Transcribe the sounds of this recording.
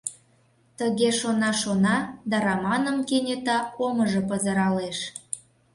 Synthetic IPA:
t̪əɣeʃonɑʃonɑd̪ɑɾɑmɑnə̆mkenʲet̪ɑoməʒɤ̆pəzə̆ɾɑleʃ

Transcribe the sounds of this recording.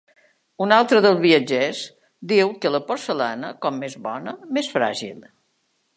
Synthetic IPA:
unalˠt̪ɾəðəlˠzβiəd͡ʒɛs | d̪iwkələpoɾsəlanəkɔmːezβɔ̰nəmesfɾa̰ʒḭlˠ

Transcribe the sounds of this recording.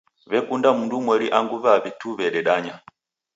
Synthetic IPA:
βɛkundamundumwɛɾiʔaŋɡuβaβituβɛɗɛɗaɲa

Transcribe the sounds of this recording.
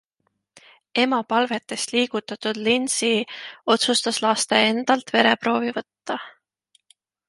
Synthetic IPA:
e̞mɑpɑlve̞t̪ːˑe̞st̪liːɡ̥ut̪ːˑɑt̪ud̪̥linsio̞t̪sust̪ɑslɑst̪e̞e̞nd̪̥ɑlt̪ve̞ɾe̞pɾo̞ːvivɤt̪ːɑ

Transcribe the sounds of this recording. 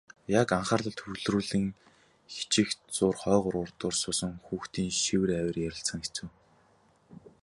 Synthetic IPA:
jakaɴχăːrɮə̆ɬt̪ʰxɵɣɮruːɮɘ̆ŋ | xi̥t͡ɕɪ̆xt͡sʊːrχɔːʁʊɾʊrt̪ʊːrsʊːsə̆ŋxuːxt̪ʰiːŋʃiwɘ̆ræwʲɪ̆rjæɾʲɪ̆ɬsə̆ŋxet͡sɘ̆w

